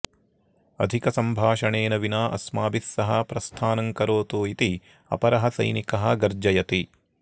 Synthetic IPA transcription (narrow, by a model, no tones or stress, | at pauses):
ɐ̰d̪ʱikɐsɐmbʱaːʃɐɳeːnɐʋinaːʔɐ̰smaːbisːɐɦɐpɾɐst̪ʰaːnɐŋkɐɾoːt̪uːit̪i | ɐ̰pɐɾɐɦɐsɐ̰jnikɐɦɐ̆ɡɐɾd͡ʒɐjɐt̪i